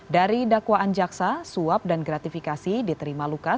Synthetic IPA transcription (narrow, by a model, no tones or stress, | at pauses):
daɾidakwaʔand͡ʒaksasuap̚danɡɾat̪ifikasidit̪əɾimaluka